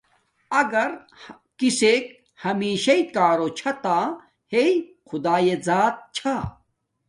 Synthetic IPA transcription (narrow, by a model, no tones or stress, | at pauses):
ɐɡɐɾ | kiseːk | hɐmiːɕɐit̪̚kaːɾot͡ɕʰɐt̪a | hei | xʊd̪aːjezaːt̪̚t͡ɕʰa